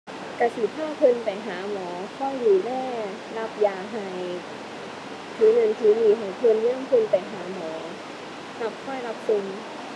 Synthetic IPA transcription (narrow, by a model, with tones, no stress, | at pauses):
ka˧˩siː˨˩p̪ʰaː˥˩pʰɤ˧npa˨˩jɦaː˩˦mɔː˩˦kʰɔ˥˩jjuː˨˩lɛː˥˩ | la˦˥p̚jaː˨˩ɦa˨˩j | t̪ʰɯː˨˦nɤ˨˧˩nt̪ʰɯː˨˦jiː˨˩ɦa˨˩jpʰɤ˧nja˧˥˩ŋpʰɤ˧npa˨˩jɦaː˩˦mɔː˩˦ | kla˧˦˩p̚kʰɔ˥˩jla˦˥p̚so˧ŋ